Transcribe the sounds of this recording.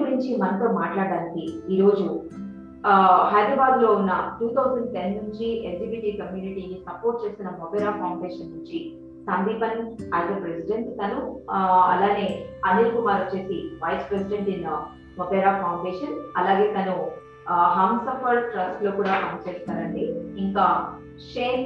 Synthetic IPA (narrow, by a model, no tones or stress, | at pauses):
uɾiɲt͡ʃimɐnɐt̪oːmaːʈlaːɽaːnikiiːɾo̞ːd͡ʒu | hɐjd̪ɾɐbaːd̪lo̞ːunːɐʈuːt̪ʰɐwzɐɳɖt̪enːuɲt͡ʃield͡ʒibiʈiːkɐmjuːniʈiːkisɐpoːɾʈ̚t͡ʃe̞ːst̪inɐmɔbeːɾaːpʰɐwɳɖeːʂɐnːuɲt͡ʃi | sɐnd̪iːpɐnaːjt̪ɐpɾesiɖeɳʈt̪ɐnuɐ̰laːne̞ːɐneːkumaːɾɐt͡ʃe̞ːsiʋɐjspɾesiɖeɳʈinːɐ | mɔpeːɾaːpʰɐwɳɖeːʂɐnɐlaːɡe̞ːt̪ɐnu | ɦaːmsɐpɐɾʈɾɐsʈlo̞ːkuːɽaːkɐmɐt͡ʃeːst̪aːɾɐɳɖiiŋkaː | ʃeː